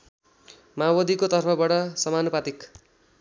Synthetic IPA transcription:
mawʌd̪ʱikot̪ʌrpʰʌbaʈʌsʌmanupat̪ik

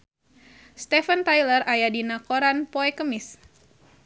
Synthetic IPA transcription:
st̪ɛfənt̪ajlərajadinakoɾanpoɛkəmɪs

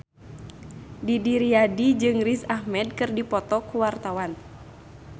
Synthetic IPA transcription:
didiɾiadid͡ʒɨŋrisahmɛd̚kɨrdipɔt̪ɔkuwart̪awan

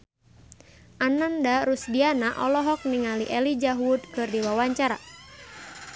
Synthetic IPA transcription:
ʔanandaɾusdianaʔɔlɔɦɔk̚niŋaliʔɛlid͡ʒaɦud̪̚kɨrdiwawaɲt͡ʃaɾa

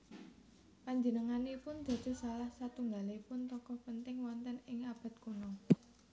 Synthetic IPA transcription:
paɲd͡ʒənəŋaneipʊnd̪̥ä̤̥d͡ʒ̥o̤salahsat̪uŋɡaleipʊnt̪ɔkɔhpənt̪ɪŋwɔnt̪ɛnɪŋab̥ä̤t̪konɔ

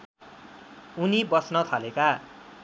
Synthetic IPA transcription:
unibʌsnʌt̪ʰaleka

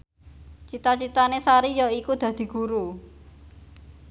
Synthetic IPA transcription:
t͡ʃit̪at͡ʃit̪anesaɾijɔikud̪̥ä̤d̪̥i̤ɡ̥uɾu

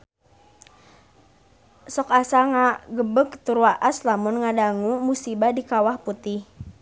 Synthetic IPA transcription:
sɔkasaŋaɡəbəkt̪uɾwaʔaslamʊnŋadaŋumusibadikawahput̪ɪh

